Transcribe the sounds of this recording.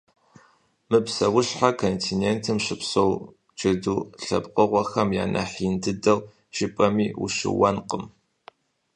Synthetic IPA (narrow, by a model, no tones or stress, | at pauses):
mɨpsɐwʊɕħakʰontʰinentʰɨmɕɪpsow | t͡ʃɨduːɬɐ̰bqʼəʁʷɔxɐmja̰ːnʔɐ̰ħindɨdɐw | ʒ̥ɪpʼɐmiːṵʃɪ̰wɐnqəm